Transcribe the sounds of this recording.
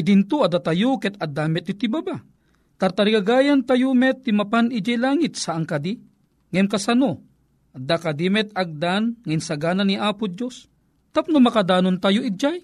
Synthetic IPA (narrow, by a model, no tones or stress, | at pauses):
id̪int̪uɐd̪at̪ajokɛt̪ɐd̪amɛt̪it̪ibaba | t̪aɾt̪aɾiɡaɡaːjant̪ajumɛt̪ːimɐpanid͡ʒajlaːŋɪt̪̚saʔaŋkɐd̪i | ŋɛmkɐsano | ʔɐd̪akad̪imɛt̪̚aɡ̚d̪anŋɐinsɐɡaːnaniʔaːpʊd̪jos | t̪ap̚nomɐkad̪aːnont̪ajoid͡ʒaj